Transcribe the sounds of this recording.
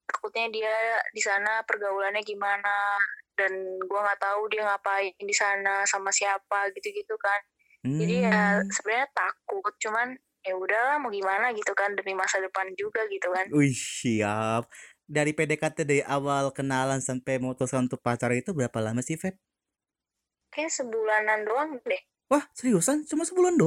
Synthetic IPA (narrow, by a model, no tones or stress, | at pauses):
t̪ḁkʊt̪̚ɲadiadisanapərɡaulanɲaɡimanadanɡuaŋaʔt̪audiaŋapaindisanasamasiapaɡit̪uɡit̪ukan | m̩d͡ʒadijasəbənɲat̪akʊt̪̚t͡ʃuman | jaudahlahmaɡimanaɡit̪ukandəmimasadəpand͡ʒuɡaɡit̪ukanuihiap̚daɾipedekat̪ədaiʔawalkənalansampɛjməŋut̪ɔskanunt̪ʊk̚pat͡ʃaɾait̪ubəɾapalamasifɛt̪̚ | kajasəbulanandoaŋdɛh | wahsəɾiusant͡ʃumasəbulando